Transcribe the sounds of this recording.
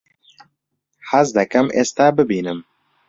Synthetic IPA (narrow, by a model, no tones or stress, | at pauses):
ħazd̪ɛkɐmʔḛːst̪aːbɨbiːnɨm